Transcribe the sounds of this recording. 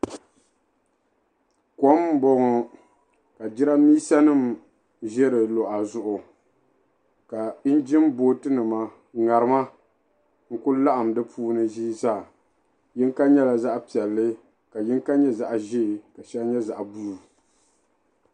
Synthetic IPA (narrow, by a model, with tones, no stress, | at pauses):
ko˨˦m˦bɔ˦ŋɔ˨ | ka˨d͡ʒɪ˦ɾa˦miː˦sa˦nɨ˦˨m | ʒɛ˦ɾɨ˨lo˨ʔa˨zʊ˦ʔʊ˨ | ka˨ɪ˦n˦d͡ʒɪ˦mboː˦tɨ˦nɨ˨ma˦ | ŋa˨ɾɨ˦ma˦ | ŋ̩˦kʊ˦la˦ʔa˨mdɨ˦pʰuː˦nɨ˦ʒiː˦zaː˦˨ | jɪ˦ŋka˦ɲɛ˦la˨za˦ʔpi˨ɛ˨lːɨ˦ | ka˨jɪ˦ŋ˦ka˦ɲɛ˦za˨ʔʒi˦˨ka˨ʃɛ˦lɲɛ˦za˨ʔa˨bu˦˨